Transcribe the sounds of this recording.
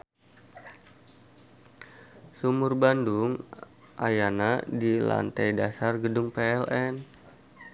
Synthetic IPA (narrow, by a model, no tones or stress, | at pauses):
sumʊrbanduŋ | ʔajanadila̰nt̪ajdasarɡədʊŋpeɛlʔɛn